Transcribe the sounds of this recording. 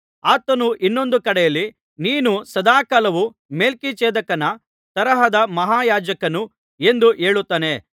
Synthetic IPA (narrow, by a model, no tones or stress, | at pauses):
aːt̪ɐnuʔinːo̞nd̪ukɐɽɛjɐlːi | niːnusɐd̪aːkaːlɐʋu | me̞ːlkit͡ʃeːd̪ɐkɐnɐ | t̪ɐɾɐɦɐd̪ɐmɐɦaːjaːd͡ʒɐkɐnu | e̞nd̪uʔe̞ːɭut̪ːɐːne̞